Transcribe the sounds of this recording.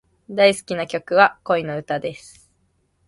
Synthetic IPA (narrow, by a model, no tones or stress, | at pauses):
d̪aisɨ̥kʲinakʲo̞kɯ̟βako̞ino̞ɯ̟t̪ad̪e̞sɨ̥